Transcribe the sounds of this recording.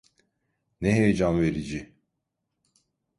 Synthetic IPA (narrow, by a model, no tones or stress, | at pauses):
neɦejed͡ʒanveɾid͡ʒi